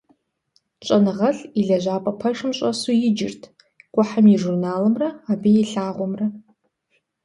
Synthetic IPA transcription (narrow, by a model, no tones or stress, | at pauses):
t͡ʃʷʼɐnɨʁɐɬiɮɐʒʷaːpʼɐpʰɐʂɨmɕʷʼɐsujɪd͡ʒɪrtʰ | qʷʼʊħamiʐurnaːlɨmrɐabijiɬaːʁʷɔmrɐ